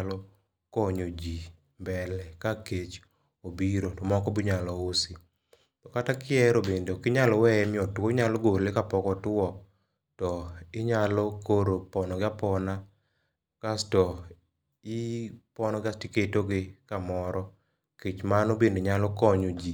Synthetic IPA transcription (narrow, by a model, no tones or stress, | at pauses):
lɔ | kɔɲod͡ʒi | mbɛlɛkaket͡ʃ | obiɾotɔmɔkɔbiɲalɔosi | tɔkatakɪɛɾobendkɪɲalɔwɛɛmɪɔtwoɲalɔɡoɾlɪkapɔkɔtɔ | tɔɪɲalɔkoɾopɔnɔɡɪapɔna | kastɔ | ɪpɔnɔɡastiketoɡɪkamɔɾɔ | ket͡ʃmanobendeɲalɔkɔɲod͡ʒi